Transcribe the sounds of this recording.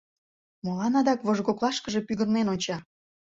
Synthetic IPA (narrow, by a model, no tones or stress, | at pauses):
molɑnɑd̪ɑkβoʒɣoklˠɑʃkəʒe̽pyɣərnenonʲt͡ɕɑ